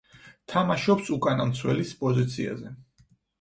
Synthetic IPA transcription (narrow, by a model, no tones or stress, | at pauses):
t̪ʰamaʃɔpsukʼanamt̪sʰwɛlispʼɔzit̪sʰia̰zɛ